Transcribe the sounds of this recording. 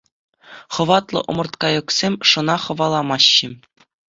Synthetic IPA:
χɤ̆ʋɑt̪lˠɤ̰̆ʔɤ̰̆mɤ̆rt̪kɑjɤ̆ksʲemʲʂɤ̆nɑχɤ̆ʋɑlˠɑmɑɕːɘ̆

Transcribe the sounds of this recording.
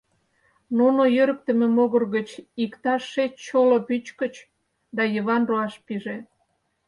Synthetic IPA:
nunojøɾək̚t̪ə̆mĕmoɣərɣət͡ɕikt̪ɑʃːet͡ɕt͡ɕolopyt͡ɕkə̆t͡ɕ | d̪ɑjəβɑnruɑʃpiʒe

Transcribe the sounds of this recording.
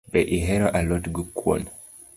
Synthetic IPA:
bɛʔiɦɛɾɔʔalɔtɡukwɔ̰n

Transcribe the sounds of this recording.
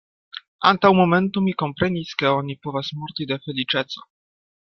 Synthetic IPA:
ant̪awmomɛnt̪umʲikompɾɛnʲiskɛɔɲipɔvasmuɾt̪id̪ɛfɛlit͡ʂɛt̪sɔ̥

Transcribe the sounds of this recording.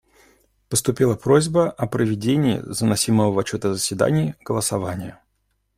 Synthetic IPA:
pəst̪ʊpʲilˠəpɾo̞zʲbəʔɐpɾəvʲɪdʲenʲɪ̰ːzənɐsʲiməvəvɐt͡ɕːo̞t̪əzəsʲvʲɪd̪a̰nʲɪːɡ̥əlˠəsɐvanʲɪjə

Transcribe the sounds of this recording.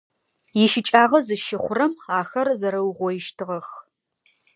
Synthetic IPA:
jɪʃɪt͡ʃʼaːʁɐzɨʃɪχʷʊɾɐmaːxɐrzɐɾɐwʁʷɔjɪʃtʰɨʁɐx

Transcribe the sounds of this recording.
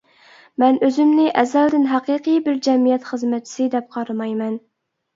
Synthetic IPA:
mɛnøzɪmnɪʔɛzɛld̪ɪnɦɑqɨqʰɨjbɪɾd͡ʒɛmijɛt̪χəzmɛt͡ʃʰːsɨd̪ɛp̚qʰɑɾɨmɑjmɛn

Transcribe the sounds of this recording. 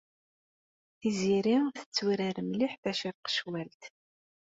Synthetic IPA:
θiziɾiθə̥t͡sːwiɾæɾmliħðæʃəɾqə̥ʃwælt̪

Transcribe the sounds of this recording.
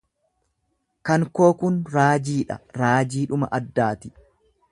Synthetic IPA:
kɐŋko̞ːkʊnɾaːd͡ʒiːᶑɐ̰ɾaːd͡ʒiːᶑʊmɐ̰ʔɐd̪ːaːt̪ɪ

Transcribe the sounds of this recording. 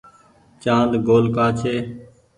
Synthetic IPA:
t͡ʃãːnd̪ɡoːlkaːt͡ʃʰeː

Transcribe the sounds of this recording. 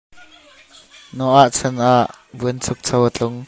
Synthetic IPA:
nɔʔaʔt͡sʰɛnʔaʔ | buənt͡sʰʊk̚t͡sʰɐwat͡ɬʊŋ

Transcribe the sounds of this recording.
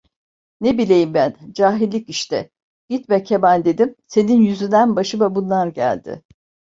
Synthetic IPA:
nebilʲe̞jimbænd͡ʒaːɦilʲːiciʃt̪ɛ | ɟ̥it̪mɛcʰemænd̪e̞d̪imse̞ninjyzynd̪ænbaʃɯmabunlˠaɾɟæ̰lʲd̪̥ɪ̰

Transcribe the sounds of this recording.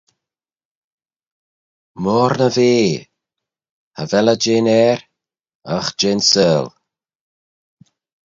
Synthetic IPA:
mɔːɾnəveː | havɛləd͡ʒeːnɛːɾ | axd͡ʒeːnsɛːl

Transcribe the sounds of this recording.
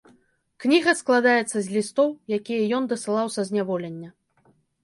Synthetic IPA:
knʲiɣɐsklˠad̪ajɛt̪sːɐzʲlʲist̪ɔwjakʲijɐjɔnd̪ɐsɨlˠawsʲɐzʲnʲavɔlʲɛnʲːɐ

